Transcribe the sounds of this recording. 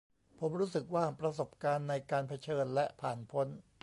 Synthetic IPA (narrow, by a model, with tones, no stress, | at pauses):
pʰo˩˦mɾuː˦˥sɯ˨˩k̚waː˥˩pɾa˧so˨˩p̚kaː˧nːa˧jkaː˧npʰa˧t͡ɕʰɤː˧nlɛ˦˥ʔpʰaː˨˩npʰo˦˥n